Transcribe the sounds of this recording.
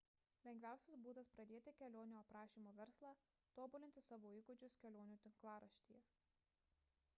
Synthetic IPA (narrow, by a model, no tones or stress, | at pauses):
lʲɛŋʲɡʲʋʲæˑʊsʲɛsbuːd̪ɐspɾɐd̪ʲeːt̪ʲɪkʲɛlʲoːnʲuɐpɾɑːʃʲiːmoːʋʲɛɾslˠɑː | t̪oːbuːlʲɪnʲt̪ʲɪsɑːʋoːiːɡʊd͡ʒʲʊskʲɛlʲoːnʲuːt̪ʲɪŋklˠɑːɾɐʃʲt̪ʲḭːjɛ